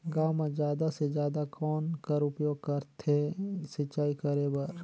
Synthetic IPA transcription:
ɡaːmãd͡ʒjaːd̪ased͡ʒjaːd̪akʰɔːnkɐɾʊpjoːɡ̚kɐɾt̪ʰesɪt͡ʃaːikəɾebɐɾ

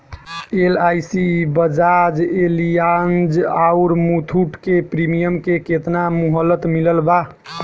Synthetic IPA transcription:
elajsibəd͡ʒad͡ʒelijand͡ʒauɾmut̪ʰuʈkepɾimijəmkeket̪namuɦəlːət̪miləlba

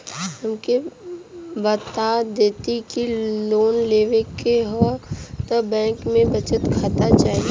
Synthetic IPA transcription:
ɦəmke | ʋət̪ad̪eːt̪ikiloːnleːʋẽkeɦat̪əbɛ̃ːŋkmẽbət͡ʃət̪kʰaːt̪at͡ʃaːi

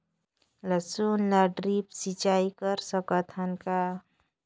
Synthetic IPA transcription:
ləsunːəɖɾipsit͡ʃaikəɾsəkət̪ʰənka

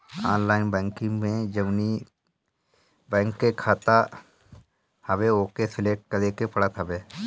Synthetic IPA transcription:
a̰ːnlaːɪnbɛ̃ːŋkɪ̃ŋɡmẽd͡ʒɐʋni | bɛ̃ːŋkːekʰaːt̪a | hɐbeoːkesɪlek̚ʈ̚kɐɾekepɐɽat̪ʰɐbe

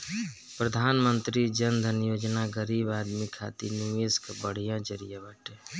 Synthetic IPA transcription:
pɾəd̪ʱaːnmənt̪ɾid͡ʒənd̪ʱənjoːd͡ʒnaɡəɾiːbaːd̪mikʰa̰ːt̪ḭnueskbəɽ̤ijãd͡ʒəɾijabəʈeː

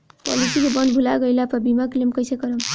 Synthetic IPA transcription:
pɔlisikobʌnbʱulaɡʌjlapʌbimaklemkʌjsekʌɾʌm

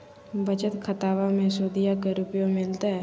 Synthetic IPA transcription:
bət͡ʃət̪kʰət̪aːʋamẽsoːd̪ijakeɾʊpjõmɪlt̪aɦɛ

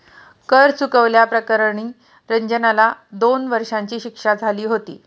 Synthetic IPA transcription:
kəɾt͡sukəʋljapɾəkəɾɳiː | ɾəɲd͡ʑənalad̪onʋəɾʂãɲt͡ɕiːɕikʂad͡zʱaliːɦot̪ḭː

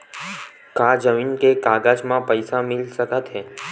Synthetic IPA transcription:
kad͡ʒəminkekaɡad͡ʒmãpəjsamɪlʃəkət̪ɦe

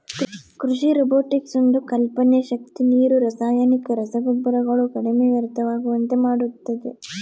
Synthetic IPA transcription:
kɾuʂiɾɔboːʈiksond̪ukɐlpɐnjɐʃɐk̚t̪iniːɾuɾɐsaːjaːnikɐɾɐsɐɡɐbːɐɾɐɡɐɭukɐɽeme̞ːʋɐɾt̪ɐʋaːɡuʋɐnt̪emaːɽut̪ːɐd̪e

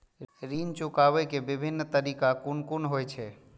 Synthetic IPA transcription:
ɾint͡ʃukaʋɛkebɪbʱinːt̪əɾikakunkunɦojt͡ʃʰɛ

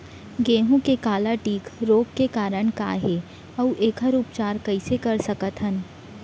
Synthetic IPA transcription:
ɡeːɦũkekaːlaʈiːkɾoːɡkekaːɾəɽ̃ka̰ːɦeː | ɐuʔeːkʰɦəɾuːpt͡ʃaːɾkɐɪsekɐɾsɐkət̪ɦən

